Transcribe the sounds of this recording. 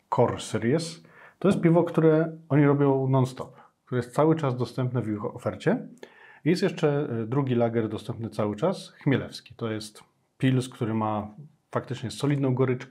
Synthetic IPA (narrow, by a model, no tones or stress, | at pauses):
kʰɔɾsɛɾjɛs | t̪ɔjɛst̪pʲivɔkt̪uɾɛɔɲiɾɔbʲjɔ̃w̃nɔnst̪ɔp | k̚t̪uɾɛjɛst̪sawɘt͡ʂazd̪ɔst̪ɛmpnɛvixɔfɛɾt͡ɕɛijɛst̪jɛʂt͡ʂɛd̪ɾuɡʲilaɡɛɾd̪ɔst̪ɛmpnɘt̪sawɘt͡ʂasxmʲjɛlɛfskʲi̥t̪ɔjɛst̪ | pʲilskt̪uɾɘma | fakt̪ɘt͡ʂɲɛsɔlʲid̪nɔ̃w̃ɡɔɾɘt͡ʂk